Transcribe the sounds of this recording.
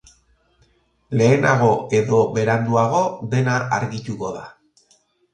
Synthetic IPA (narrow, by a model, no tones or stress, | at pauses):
le̞ːnaɣo̞e̞ðo̞βe̞ɾand̪uaɣ̞o̞ðe̞naaɾɣit̪uko̞ða